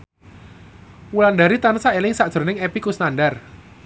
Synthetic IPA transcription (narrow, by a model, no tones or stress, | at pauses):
wulandaɾit̪ansaʔelɪŋsaʔd̥ʒ̥ə̤rnɪŋepikusnandar